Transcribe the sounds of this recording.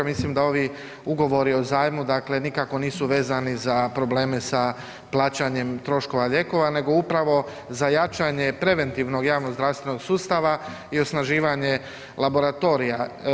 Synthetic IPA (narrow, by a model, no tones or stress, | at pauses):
mislimd̪ao̞ʋi | uɡo̞ʋo̞ɾio̞zaːjmud̪akle̞nikako̞niːsuʋe̞ːzanizapɾo̞bleːme̞sa | plˠaːt͡ɕaɲe̞mt̪ɾo̞ʃko̞ʋaʎe̞ko̞ʋane̞ɡo̞upɾaʋo̞ | zajat͡ʃaɲepɾe̞ʋe̞nt̪iʋno̞ɡjaːʋno̞ɡzɾast̪ʋe̞no̞ɡsuːst̪aʋa | io̞snaʒiːʋaɲe̞ | labo̞ɾat̪o̞ɾija